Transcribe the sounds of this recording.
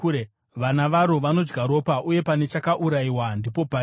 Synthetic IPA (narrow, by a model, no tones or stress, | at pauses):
ʋanaʋaɾo̞ʋano̞d͡ʒɡaɾo̞paʔuje̞pane̞t͡ʃakaʔuɾaiwandipo̞pa